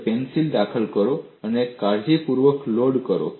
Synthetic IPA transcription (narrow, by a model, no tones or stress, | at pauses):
pensild̪akʰəlkəɾo | anekaɾd͡ʑipuɾʋəkloɽkəɾo̰